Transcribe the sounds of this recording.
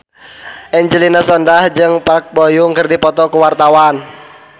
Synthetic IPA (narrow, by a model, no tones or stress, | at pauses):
ʔɛɲd͡ʒəlinasɔndahd͡ʒɨŋpak̚bojuŋkərdipɔt̪ɔkuwart̪awan